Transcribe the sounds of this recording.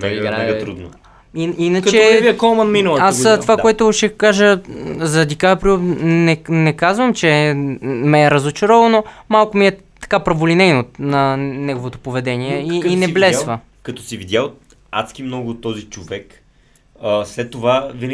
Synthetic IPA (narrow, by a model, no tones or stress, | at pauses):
aɡt̪ɾud̪no | ininəktɛɛviɛkɔlˠmɐnminɐlˠasst̪ovakoɛt̪ʊʃɛkaʒəzɾɐd̪ikavɛpɾnɛnɛkazvəmt͡ʃɛ | mɛːɾɐzot͡ʃoɾɔvɐnomalˠkomiɛ | t̪ɐ̥kapɾɐvolinɛjnot̪nɐnɛɡovot̪o̥povɛd̪ɛniɛiːnɛblɛsvə | kɐt̪ɔsivid̪ʲjaot̪ | a̰t̪skʲimnɔɡʊt̪ɔzit͡ʃovɛk | əslɛt̪ːovavin